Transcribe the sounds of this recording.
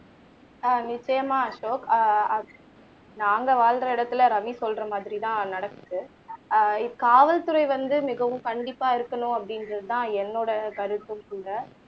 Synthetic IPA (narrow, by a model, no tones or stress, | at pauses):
nɪt͡ʃːɐjɐmaːɐʂoːkɐ | naːŋɡɐʋaːlɾɐɪɽɐt̪ːɪlɐɾɐʋisɔlɾɐmaːðɪɾit̪ãːnɐɽɐkːɯðɯ | ɪkaːʋɐlt̪ʊɾɐɪʋɐnd̪ɯmɪɣɐʋɯ̃kɐɳɖɪpːaːɪɾɯkːɐɳʊ̃ɐpːɐɽɪndɾɐðɯt̪ãːɛnːoːɽɐkɐɾɯt̪ːɯ̃mkuːɽɐ